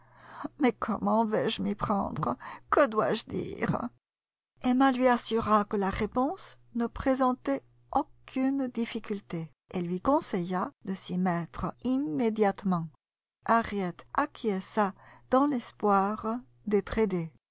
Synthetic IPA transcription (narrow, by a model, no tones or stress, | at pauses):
mɛkʰɔ̰mɑ̃vɛʒəmipχɑ̰̃d̪ʁəkəd̪wa̰ʒəd̪ḭːʁ | emalɥiasyʁakəlaʁepɔ̃s | nəpχezɑ̃t̪ɛ | okʰynd̪ifikʲylt̪e | elɥikɔ̃sɛjad̪əsimɛt̪χəimːed̪jat̪mɑ̃ | ʔaʁjɛt̪ʔakʰiɛsad̪̥ɑ̃lɛspwaʁ | d̪ɛt̪χed̪e